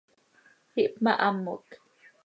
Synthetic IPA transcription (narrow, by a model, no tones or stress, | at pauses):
hiʔpmaʔamːok